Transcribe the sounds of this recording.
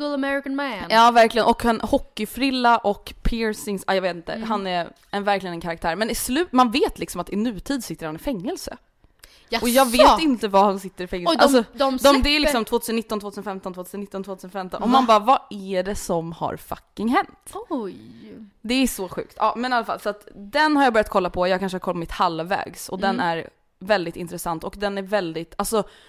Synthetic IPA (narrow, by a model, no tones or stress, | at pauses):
ʊlˠəmɛɹɪkanmænɑːvæɾklɪɡənɔkhanhɔkːɪfɾɪlːaʔɔkːpʰɪɾsɪŋsajɑveːt̪ɪnt̪ə̰ɦanɛ | ɛvæɾklɪɡənɛnkʰaɾak̚t̪ʰæːɾmɛnɪslʉ̟ːt̪manveːt̪lɪksɔmat̪ːɪnʉ̟ːt̪ʰiːd̪sɪt̪ːəɾhanɪfɛŋːɛlsə̰ | ʔɔjɑːɡveːɪnt̪əvahansɪt̪ːəɾɪfɛŋːɛʔals̬ɔd̪d̪ɔd̪ɛæɾlɪksɔmt̪ʰvoːt̪ʰʉsənt̪ːɔnʰvːt̪ʰʉsnfɛmt̪ɔnt̪voːt̪ʰʉːsənɪt̪ːɔnvoːt̪ʰʉːsənfɛmt̪ɔ̰nɔmanbɑːɾvaæɖɛsɔmha̰ɾfa̰kːɪŋɦɛnt̪ | d̪ɛæʂɔɧʉ̟̰ːkt̪ɑ̰ːmɛnalːafa̰lːsat̪d̪ɛnhaɾjɑːbœɾjat̪̚kʰɔlːapʰɔjɑːɡkʰanʂəhɾkʰɔlpɔmɪt̪halːvɛ̰ːɡsɔ̰d̪ɛnæɾ | vɛld̪ɪt̪ɪnt̪ɾɛsant̪ɔkd̪ɛnæɾvɛld̪ɪt̪ʰalsɔ